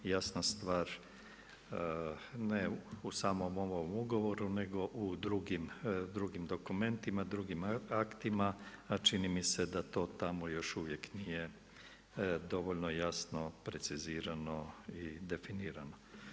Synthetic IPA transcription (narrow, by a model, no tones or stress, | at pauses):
jasnast̪ʋaːɾ | neusaːmomomoʋomuɡo̞ʋo̞ɾune̞ɡo̞ʔud̪ɾuɡimd̪ɾuɡimd̪o̞kume̞nt̪imad̪ɾuɡimakt̪imaːt͡ʃinimise̞d̪at̪o̞ːt̪amojo̞ʃuʋje̞knije | d̪o̞ʋoʎnojasno̞pɾe̞t̪siziːɾano̞id̪e̞finiːɾano